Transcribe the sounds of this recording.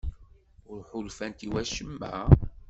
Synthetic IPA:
ʊɾħʊlfænt̪iwæʃəmːæ̰

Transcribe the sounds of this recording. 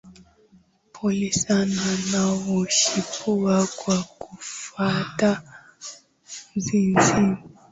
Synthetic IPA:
pʰolisananaβuʃipʰuβaɡwaɡufata | nzinzin

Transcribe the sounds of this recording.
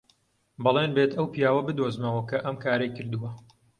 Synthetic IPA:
bɑlˠenbet̪ʰɐwpijaːwɐbɨd̪oːzmɐwɐkʰɐʔɐmkʰaːɾɐjkɨɾd̪uwɐ

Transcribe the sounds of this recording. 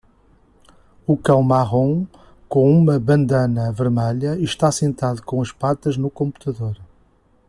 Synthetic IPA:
ukɐ̃w̃maʁõ | kõumɐβɐ̃nd̪ɐnɐvɨɾmɛʎɐiʃt̪asẽnt̪aðukõɐʃpat̪ɐʒnukõmpu̥t̪ɐðoɾ

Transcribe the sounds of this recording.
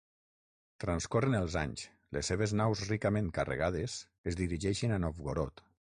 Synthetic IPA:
t̪ɾanskorənəlˠza̰ɲs | lḛseβ̞eznawzrikamẽŋkarḛɣað̞es | ezðiɾiʒɛʃinanofɣoɾot̪

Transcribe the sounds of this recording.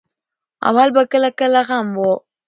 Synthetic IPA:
a̰βalbɐkɐlakalaɣambo

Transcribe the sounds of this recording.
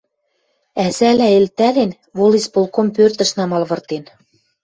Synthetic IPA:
æzælæelt̪ælen | βolispolkompørt̪ə̆ʃnɑmɑlβɤ̆rt̪en

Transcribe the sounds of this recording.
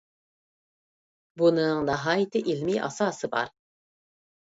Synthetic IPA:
bunɨŋnɑɦɑːjɪt̪ʰɪʔilmiːʔɑ̰sɑːsɨbɑ̰ɾ

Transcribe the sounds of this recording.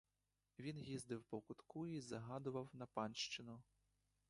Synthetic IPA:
ʋʲinjizd̪ɪwpɔkʊt̪kuizɐɦɑd̪ʊʋɐwnɐpɑnʃt͡ʃɪnʊ

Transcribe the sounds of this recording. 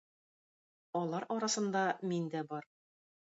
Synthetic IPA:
ɒlˠɑɾʔɒɾɑsɤ̆nd̪ɑmind̪æbɒɾ

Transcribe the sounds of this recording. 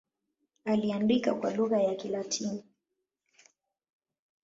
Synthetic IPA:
aliandikakwaluɣajakilatʰimu

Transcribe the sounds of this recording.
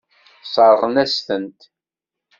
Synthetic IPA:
sˤɑɾˤʁənæst̪ənt̪

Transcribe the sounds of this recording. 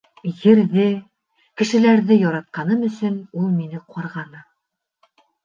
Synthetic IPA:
jɘ̆ɾðɘ | kɘ̆ʃɘ̆læɾðɘjɒɾɑt̪̚qɑnɤmɵ̆sɵnulˠminɘqʰɒɾʁɑnɤ

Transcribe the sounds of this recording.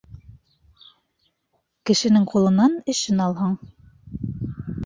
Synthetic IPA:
kɘ̆ʃɘ̆nɘŋqʰulˠɤ̆nɑnɘ̆ʃɘnɑlˠɦɤɴ

